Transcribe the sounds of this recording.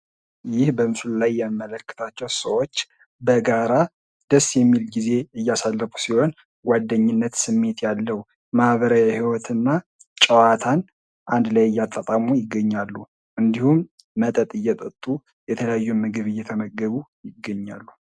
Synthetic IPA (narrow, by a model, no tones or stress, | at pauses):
jɪhbəmɨsɨllajːɛmmːələkːə̥t̪ʰat͡ʃːɛwsəwot͡ʃː | bəɡaɾa | d̪̥əsːjɛmːilɡize̞ɨjːasalːəfu̥siho̞n | ɡad̪ːəɲːɪnːət̪sɨmːe̞t̪jalːəhu | mahβəɾajahiwɔt̪ʰɨnːa | t͡ʃʼəwat̪ʰan | ʔand̪lajɪjːat̪ʼːat̪ʼamujɪɡːəɲːalːu | ʔɨnd̪ihumː | ət̪ʼət̪ʼɨjːɛt̪ʼət̪ʼːu | jɛt̪ʰələjajːumɨɡɨβɨjːɛt̪ʰəməɡːəβujɪɡːəɲːa̰lːu